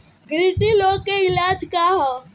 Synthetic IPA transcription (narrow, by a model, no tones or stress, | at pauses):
ɡɾiʈiloːkːeilaːd͡ʒkaɦɔ